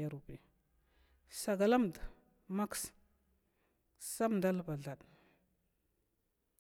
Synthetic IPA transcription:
a˦ɾu˨be˨ | sa˨ɡa˨la˦m˨d | ma˦ks | sa˦mda˦lba˨ɮa˨ɗ

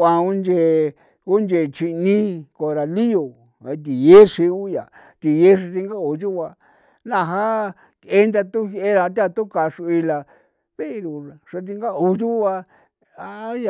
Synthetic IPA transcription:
ã˧u˦nd͡ʒe˧˨ | u˦nd͡ʒe˧˨t͡ʃi˧nĩ˦ko˧ɾa˧li˦o˨ | e˧t̪̬i˨je˦ʂi˧u˦ja˨ | t̪i˨je˦ʂ̬a˧t̪i˧ŋɡa˦o˨d͡ʒu˦˧a˧ | nã˦˧˨ɦa˦ | e˦nd̪a˧t̪u˦he˦ɾa˧t̪̬a˦˧t̪u˦ka˧˨ʂu˧i˧la˧ | βe˦˧ɾu˨ʂa˧t̪̬i˧ŋɡa˦u˧ʒu˦βa˧ | a˦ja˧

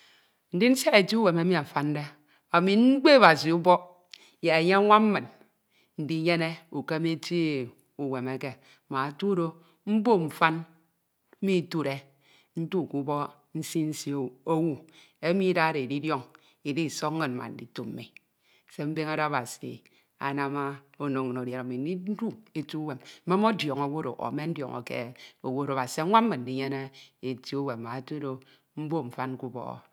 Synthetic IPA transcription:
n̩˨di˦n̩˦sja˦e˨ti˦u˦we˨me˦mi˦a˨fa˦n˦de˦ | a˨mi˨n̩˦ɡ͡be˦a˦˨ba˨s̬i˨u˦bɔ˦ | je˨e˨ɲe˦ŋʷa˦m̩˦mɨ˨n | n̩˨di˦ɲe˦ne˦u˨ke˦mi˦ti˦˨ | u˨we˨me˨ke˦˨ | ma˨tu˦ɾo˦ | m̩˦bo˦m̩˨fa˦n̩˦ | mi˦tu˦ɾe˦ | n̩˦tu˦˨ku˦bɔ˦ | n̩˦si˦n̩˦si˦o˦wu˨ | e˦mi˦da˦ɾe˨e˨di˦djo˦ŋ | i˨di˦˨so˦kŋː˦ɨ˦n̩˨ma̰˨n̩˨di˦to˦˨m̩˨˦mi˨ | se˦m̩˦be˦ŋa˦ɾa˦a˦ba˨sḭ˨ | a̰˨na˦ma˦o˦no˨ŋ˨no˨dje˨ɾa˨mi˨n̩˦i˦n̩˦du˦e˨tu˦u˦we˨m̩˦me˦mo˦djo˨ŋo˨˦wo˦ɾo̰˨ʔo̰˨˦me˦n̩˦djɔ̰˨ŋo̰˨kḛ˦o˨wo˦ɾo˨a˨si˨a˨˦ŋʷa˦m̩˦mɨ˨n̩˨di˦ɲe˦ne˦e˨ti˦o˦we˨m˨ma˨e˨to˦ɾo˦ | m̩˦bo˦ɱ̩˨fa˦nku˦bɔ̰˦˨

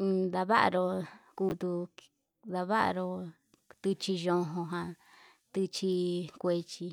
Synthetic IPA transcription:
d̪a˧βa˦ʔa̰˧ɾo˧ku˧t̪u˧ | d̪a˧βa˦ʔa̰˧ɾo˧ | t̪ɨ˧t͡ʃi˧ʒõ˧ɦõ˧ɦã˧ | t̪ɨ˧t͡ʃi˧kʷe˧t͡ʃi˧

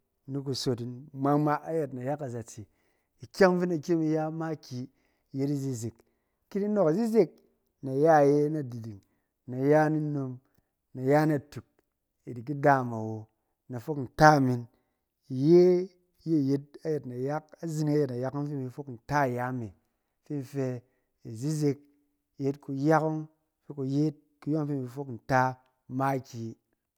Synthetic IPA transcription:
ni˦k̬u˨so˨t̬i˨nma˦ma˦ʔa˦je˨tna˨ja˦ka˨za˨t͡si˨ | i˨kʲa˦vi˦na˨kʲi˦mi˧ja˦ma˦kʲi˨ | je˦ti˦zi˦zi˨k | ki˦ni˦no˨ka˨zi˦zi˦k̚ | na˨ja˦˨je˦na˨di˨di˨ŋ | na˨ja˦ni˦no˦m | na˨ja˦na˨tu˨k̚ | i˨di˨k̬i˦da˦˨ma˨wo˨ | na˨fo˦kn̩˨ta˦˨mi˨n | i˨je˦ | je˦˨je˦t̚a˦je˨tna˨ja˦k̚a˦zi˦ni˦a˦je˨tna˨ja˦ku˦m˦fi˦m˨i˨fo˦kn̩˨ta˦˨ja˦me˨ | fi˦n˨fe˧ | i˨zi˦ze˧k̚ | je˦tku˧ja˦ku˦ŋ˦ | fe˦ku˨je˦t̚ | ku˨˦jo˦ŋ˦fi˦m˨i˧fo˦kn̩˨ta˦ | ma˦kʲi˦

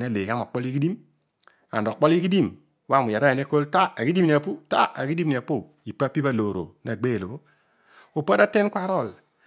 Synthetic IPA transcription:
ne˦˨le˨ka˦ma˨k͡pɔ˦li˦ki˦di˦m | a̰˨ndɔ˨k͡pɔ˦li˦ki˦di˦˨m | wa˦˨mu˨ja˨ɾa˦˨e˨ne˦ko˦lta˦a˨ki˦di˦mni˨a˨pu˦ta̰˦a˨ki˦di˦mni˨a˨po˦ | i˨pa˦pi˦pa˦lo˨ɾo̰˨na˨ɡ͡be˦˨lo˨bo˦ | u˨pa˦da˦te˦nkʷa˦ɾɔ˦˨l

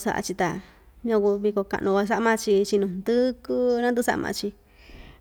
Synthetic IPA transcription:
sa̰˧ʔa̰˧t͡ʃi˧t̪a˧ | ɲã˧ku˧βi˧ko˧ka̰˧ʔnʔũ˧kʷa˧s̬a˦ʔmã˧t͡ʃi˧t͡ʃi˧nũ˧nd̪ɨ˦ku˦nã˦nd̪u˧sa̰˧mʔã̰˧t͡ʃi˧

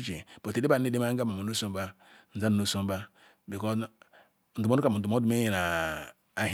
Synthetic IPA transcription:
t͡ʃi˨po˨te˨de˦ba˦˨˦i˦de˦ma˦ɡa˦ma˨mu˨nu˦so˦m˦ba˦ | n̩˨za˦nu˨nu˦so˦ba˦ | bi˨kɔ˦ | n̩˨du˨o˦u˦a˨m˨u˨du˨mo˦du˦m˦e˦i˨na˨ | a˨ɦ

